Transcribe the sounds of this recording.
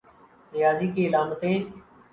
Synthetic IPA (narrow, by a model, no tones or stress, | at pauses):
nɪjaːziːkiːɪlaːmət̪ẽː